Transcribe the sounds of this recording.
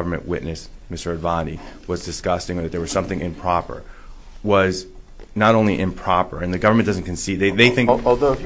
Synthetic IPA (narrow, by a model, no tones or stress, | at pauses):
ʌvə˞mɨ̰̃nʔwɪ̰tⁿnɨsmɪstə˞ɨdvɑ̃niwʌzdɨskʌstɪ̃ŋə˞ðɨt̪̚ðə˞wʌz̥sʌ̃mθɪ̃ŋɨ̃mpʰɹ̥ɑpə̰˞ | wʌz | nəɾõʊ̃nliʔɨ̃mpʰɹ̥ɑpə̰˞ɨ̃nðɨɡʌvə˞mɨ̃nd̥ʌz̃n̩kʰɨ̃n̩sid̚ðeɪðeɪθɪ̃ŋɔlˠðoʊ